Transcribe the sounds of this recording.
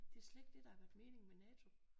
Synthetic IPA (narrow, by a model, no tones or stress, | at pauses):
d̥e̝æɐsleɡ̥̚d̥e̝d̥ɑ̈hɑ̈ɡ̥øɐd̥me̝ːne̝ŋmenɛːt͡sʰo̝